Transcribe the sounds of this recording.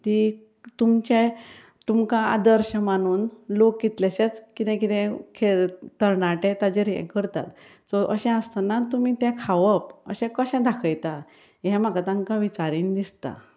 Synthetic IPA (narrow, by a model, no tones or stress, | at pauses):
t̪i | t̪umt͡ɕɛ̃ | t̪umkãa̰d̪əɾɕəmaɽ̃uːnlokːit̪laɕet͡skit̪ɛ̃k̬it̪ɛ̃kʰeɭt̪əɾɳaʈẽt̪ad͡ʑeɾɛ̰̃kəɾt̪a̰t̪ | sɔʔəɕɛ̃əst̪anat̪umiːt̪ɛ̃kʰaʋəpə̰ɕɛ̃kəɕɛ̃d̪ʱakʰəjt̪a | jɛ̃makat̪ãŋkaʋit͡ɕaɾiːnd̪ist̪a̰